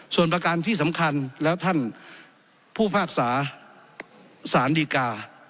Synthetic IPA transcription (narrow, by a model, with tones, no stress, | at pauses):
su˨˩ənpɾa˧kaː˧nt̪ʰiː˥˩sa˩˦mkʰa˧nlɛː˦˥wt̪ʰa˥˩n | pʰuː˥˩pʰaː˥˩k̚saː˩˦ | saː˩˦ndiː˧kaː˧